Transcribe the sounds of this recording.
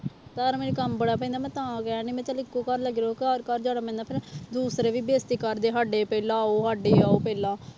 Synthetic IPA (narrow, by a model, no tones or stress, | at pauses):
t̪əɾmeːnekəmbəɽaːpɛ̃nd̪aːmɛ̃ːt̪ãːɡaneːmɛ̃ːt͡ʃəlɪkːoːkəɾləɡɾeɦoːkəɾkəɾd͡ʒaːɽaːmɛ̃ːnd̪aːpʰɪɾd̪uːsɾeːʋiːbeːst̪iːkəɾd̪eːɦaɖeːpɛːlãːoːɦaːɖeːaːoːpɛːlaː